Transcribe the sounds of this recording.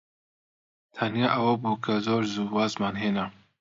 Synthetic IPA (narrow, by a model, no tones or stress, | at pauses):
t̪ʰɐnjaːʔɐwɐbuːkʰɐzoːɾzuːbaːzmaːnɦeːnɐ